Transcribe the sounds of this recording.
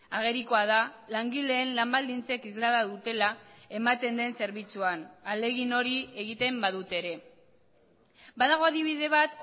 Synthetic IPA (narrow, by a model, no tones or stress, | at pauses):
aɣ̞e̞ɾikoað̞alaŋɡile̞ːnlambald̪int͡se̞kizlaðaðut̪e̞lae̞mat̪e̞nd̪e̞nse̞ɾβit͡suanale̞ɣino̞ɾie̞ɣ̞it̪e̞mbaðut̪e̞ɾe̞ | baðaɣ̞o̞aðiβ̞iðe̞β̞at̪